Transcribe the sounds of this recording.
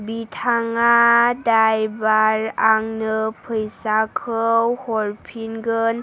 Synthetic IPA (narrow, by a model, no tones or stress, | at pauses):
bitʰaŋadajbaɾaŋnɯpʰɯjsakʰɯwhɔɾpʰinɡɯn